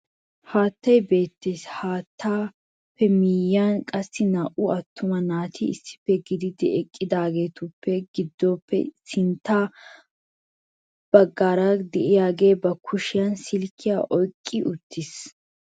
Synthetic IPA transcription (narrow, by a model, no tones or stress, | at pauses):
haːt̪ːɐjbe̞ːt̪ːeshaːt̪ːaː | pːɛmiːjankʼɐsːɪnaːʔʊɐt̪ːʊmɐnaːt̪ʰɪɪsːɪ̥pːɛɡɪd̪ɪd̪ɪɛkʼːɪd̪aːɡe̞ːt̪ʊpːɛɡɪd̪ːɔpʰːɛ̰sɪnt̪ːaː | b̥ɐɡːaːɾɐd̪ɛʔɪjaːɡe̞ːbɐkʰʊʃɪjɐnsɪlkʰːɪja̰ːʔɔjkʼːɪʔʊt̪ʰːɪs